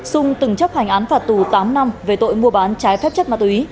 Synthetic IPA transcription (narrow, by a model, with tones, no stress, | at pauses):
sʊ˧ŋ͡mt̪ɨ˧˩ŋt͡ɕp̚ha˨˩ŋ̟ʔaː˨˦nfaː˨˩t̚t̪u˧˩t̪aː˨˦mna˧mve˨˩t̪o̰˧˨jmu˧əɓaː˨˦nt͡ɕaː˨˦jfɛː˦˥p̚t͡ɕə˦˥t̚ma˧˩t̪u˨i˨˦